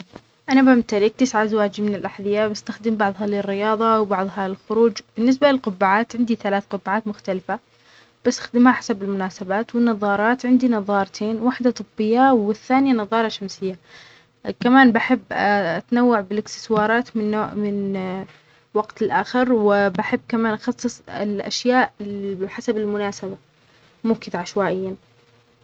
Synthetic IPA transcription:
ʔanabamt̪aɾɪk̚t̪ɪsʕazawaːd͡ʒimɪnɪlʔaħðˤɪjːabɪst̪axd̪ɪmbɑʕðˤɦɑlɪrːɪjɑːðˤɑwbɑʕðˤɦɑɪlxʊɾuːd͡ʒb̥ɪnːɪs̬balɪlqʊbːaʕaːt̪ʕɪnd̪iθalaːθqʊbːaʕaːt̪mʊxt̪alɪfa | b̥ast̪ḁxd̪ɪmhaħḁsabɪlmʊnaːsabaːt̪wɪnːɑðˤɑːɾˤɑːt̪ʕɪnd̪inɑðˤɑːɾˤt̪ʰeːnwaħd̪at̪ˤɨbːɪjːawɪθːaːnɪjanɑðˤɑːɾˤɑʃamsɪjːa | kamaːnbaħɪbːʔat̪nawːaʕbɪlɪkt̪ɪ̥swɑːɾˤɑːt̪mɪnːoːmɪn | waɡt̪ɪlʔaːxɪɾwɪbaħɪbːkamaːnʔɑxɑsˤːɨsˤɪ̰lʔa̰ʃjaːʔbɪħasabɪlmʊnaːsaba | mʊːkɪd̪ʕaʃwaːʔɪjːan

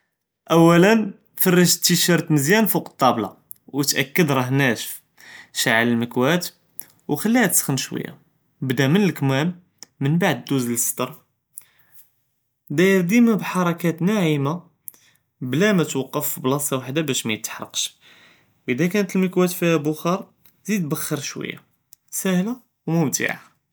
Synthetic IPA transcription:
ʔæwːælən | fɑrˤːəʒt̪ːiʃɑɾˤt̪məzjænfuqt̪ˤːɑblɑ̰ | wət̪ʔæ̰kːəd̪ɾˤɑɦnæʃf | ʃaʕaləlməkwæt̪ | wxælːihæt̪ə̥sxənʃwə̰jːa̰ | bd̪æmənəlkmæmː | ənbaʕd̪ːuzlst̪ɑɾˤ | d̪æjəɾd̪imæbħɑɾˤɑkæt̪naʕima | blæmæt̪wɑqːəfblɑsˤɑwaħd̪abæʃmæjət̪ːħɾˤɑ̰qʃ | wʔəd̪ækænət̪əlməkwæt̪fihæbʊxɑɾˤ | zid̪bəxːəɾˤʃwə̰jːa̰ | sæhla | wmʊmt̪ḭʕa

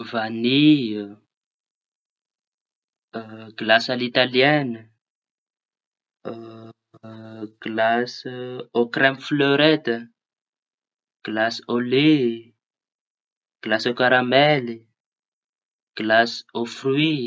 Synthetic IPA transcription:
vani | ɡ̥ilasalit̪aljɛnə | ɡ̥lasokrɛmfløɾɛt̪ə | ɡ̥lasole | ɡ̥ilasokaɾamɛli | ɡ̥lasofrwi

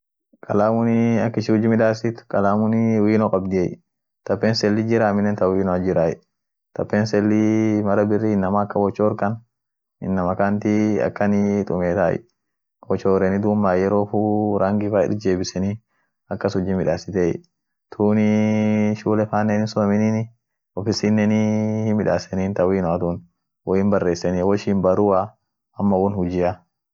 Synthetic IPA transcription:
kʼɐlaːmʊnɪɐkːɪʃɪʊd͡ʒɪmɪᶑaːsɪt̪ʊ̥kʼɐlaːmʊnɪwiːnokʼɐbd̪ɪej | t̪ɐpːeːnsɛlːid͡ʒɪɾaːmɪnːɛnt̪ɐwiːnɔɐd͡ʒɪɾaːjɛ̰ | t̪ʰɐpːeːnsɛlːimɐɾɐbɪrːiːɪnːɐmaːkːɐwɔt͡ʃːoːɾkɐn | ɪ̰nːɐmɐkaːnt̪iɐ̰kːɐnɪt̪ʼʊmeːt̪aːʔɛ̰ | wɔt͡ʃːoːɾɛnɪd̪umːaːjɛɾoːfuːɾɐŋɡɪfaːɪ̰ɾd͡ʒeːbɪsɛni | ɐkːɐsʊd͡ʒːimɪᶑaːsɪt̪ɛ̰ | t̪ʰuːnɪʃuːlɛfaːnːenɪsɔɐmɪniːnɪ | ɔfɪsinːɛnihɪmɪᶑaːsɛniːnt̪ɐwiːnʊʔɐt̪un | wɔjɪnbɐrːe̞ːsːɛniːwɔʃiːmbɐɾʊa | ɐmːɐwɔnhʊd͡ʒɪja

